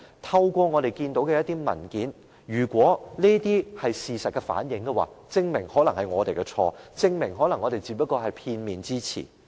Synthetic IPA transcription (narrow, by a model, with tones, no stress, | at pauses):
t̪ʰɐ˧wkʷɔː˧ŋɔː˨˧ɾe˨˩jkiː˧nt̪o˨˥wkɛː˧jɐ˥t̪iː˥mɐ̰˨˩nkiː˨˥n | jyː˨˩kʷwɔː˨˥neː˥t̪iː˥hɐ˨jsiː˨˩sɐ˨t̚kɛ˧fa̰ː˨˥njɪ˨˥ŋkɛ˧wa̰ː˨˧t͡sɪ˧ŋmɪ˨˩ŋhɔː˨˥lɐ˨˩ŋhɐ˨jŋɔː˨˧t̪e˨jkɛ˧t͡sʰɔ̰ː˧t͡sɪ˧ŋmɪ˨˩ŋɦɔː˨˥lɐ˨˩ŋːɔː˨˧t̪e˨jt͡si˨˥pːɐ˥kːɔː˧ɦɐ˨jpʰiː˧nmiː˨nt͡siː˥t͡sʰḭː˨˩